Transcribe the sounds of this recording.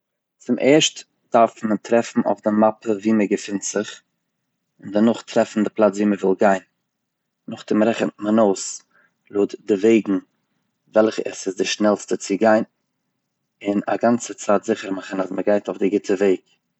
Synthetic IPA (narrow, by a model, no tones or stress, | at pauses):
t͡sɪmʔeːɾʃt | d̥aɾfmətɾɛfn̩o̰ʊfdɪmapəviːməɡəfɪntz̥ɪχ | ɪndanʊχtɾɛfn̩dɪplˠat͡sviːməvɪlˠɡaɪnː | ʊχt͡sɪmɾɛχəntmənoʊs | lˠoːtdɪveɪɡŋ̩ | vɛlˠχəɛ̰sɪsdɪʃnɛlˠstət͡sɪɡaɪn | ɪna̰ɡant͡sət͡saːtzɪχəɾmaχənasməɡaɪtoʊfdɪɡɪtʰəveɪɡ